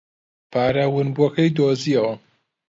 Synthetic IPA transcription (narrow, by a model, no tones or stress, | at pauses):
pʰaːɾawɨnbuɐkɐjd̪oːziɐwɐ